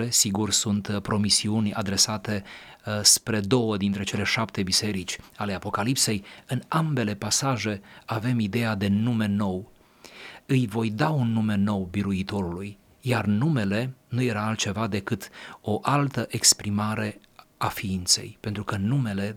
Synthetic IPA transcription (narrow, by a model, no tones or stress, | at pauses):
esiɡursunt̪pɾo̞misiunʲa̰d̪ɾe̞sat̪e̞spɾe̞d̪o̞wəd̪int̪ɾe̞t͡ʃe̞le̞ʃapt̪e̞bise̞ɾit͡ʃʲale̞apo̞kalipse̞jɨnambe̞le̞pasaʒe̞ave̞mid̪e̞jad̪e̞nume̞no̞w | ɨjvo̞jd̪aunːume̞no̞wbiɾuit̪o̞ɾuluj | jarnume̞le̞nuje̞ɾaːlt̪̚t͡ʃe̞vad̪e̞kɨt̪o̞ʔalt̪əʔekspɾimaɾe̞ | afiint̪se̞̰jpe̞nt̪ɾukənume̞le̞